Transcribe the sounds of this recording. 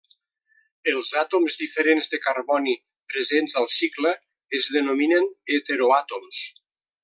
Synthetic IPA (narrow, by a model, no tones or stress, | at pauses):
əlˠzat̪omzðifəɾenzðəkarβɔni | pɾezenzalˠsikləː | zðenominənet̪eɾoat̪oms